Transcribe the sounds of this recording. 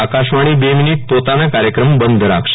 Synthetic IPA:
akaɕʋaɽ̃iːbeminiʈ̚pot̪anakaɾjəkɾəmbənd̪ʱəɾa̰kʂ

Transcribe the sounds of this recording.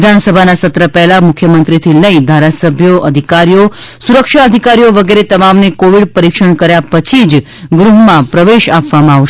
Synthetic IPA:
d̪ʱansəbʱanasət̪ɾəpɛɦlamʊkʰjəmənt̪ɾit̪ʰiləid̪ʱaɾasəbʱjoʔəd̪ʱikaɾijo | suɾəkʃaəd̪ʱikaɾijoʋəɡeɾet̪əmamnekoʋiɖpəɾikʃəɳkəɾjapət͡ʃʰid͡ʒ | ɡɾuɦmãpɾəʋeʃapʋamãaʋʃ

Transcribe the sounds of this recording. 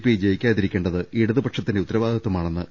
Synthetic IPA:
pid͡ʑejikʲːaːjɐðiɾikʲːe̞ːɳɖɐðɨʔiɽuðɨpɐʈʂɐt̪ːindeut̪ːɐɾɐʋaːd̪ʱɐt̪ːumaːɳe̞nːɨ

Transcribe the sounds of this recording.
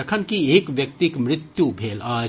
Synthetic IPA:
ɐkʰənkieːkʋjɐk̚t̪ikmɾɪt̪jubʱeːlaː

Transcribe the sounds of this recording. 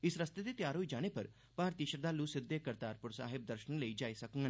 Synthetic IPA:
ɪsɾɐst̪ed̪et̪jaːɾɦoːid͡ʒaːɽ̃epɐɾ | paːɾt̪iːʃəɾd̪aːluːsɪd̪ːekəɾt̪aːɾpʊɾsa̰ːɦɪb̚d̪əɾʃənləiːd͡ʒaːisɐkŋɡə̃

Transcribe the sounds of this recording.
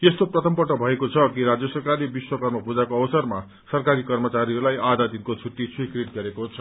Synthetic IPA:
est̪oprʌt̪ʌmpʌʈːʌbʱʌekot͡sʰʌkiɾad͡zjʌsʌrkaribiswʌkʌrmʌpud͡zakoʌbʌsʌrma | sʌrkaɾikʌrmʌt͡saɾiʌɾulajad̪ʱad̪inkot͡sʰuʈːisʰwikriʈ̚ɡʌɾekot͡sʰʌ

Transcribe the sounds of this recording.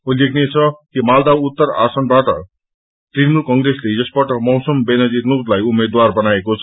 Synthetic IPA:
olekʰnet͡sʰʌkimald̪aut̪ːʌra̰sʌnbaʈʌ̰ | ʈrinmulkʌŋɡresled͡zʌsbaʈʌmʌwsʌmbenʌd͡zirnod̪lajumed̪warbʌnaekot͡sʰʌ̥

